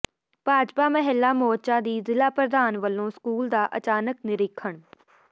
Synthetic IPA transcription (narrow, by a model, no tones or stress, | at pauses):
paːd͡ʒpaːməɦɪlːaːmoːt͡ʃãːd̪iːzɪlaːpɾəd̪aːnʋəlːõːskuːld̪aːʔət͡ʃaːnəknɪɾɪkʰːəɳ